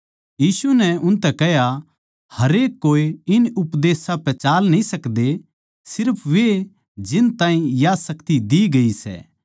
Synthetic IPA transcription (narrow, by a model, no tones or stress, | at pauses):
jiːsunɛʊnt̪ɛkɐɦja | hɐɾeːkːoːiɪnʊpd̪eːsãpɛt͡ʃaːlnɐĩsɐkd̪e | sɪɾpʰʋe | d͡ʒɪnt̪ãːĩjasɐkt̪id̪iɡɐisɛ̰ː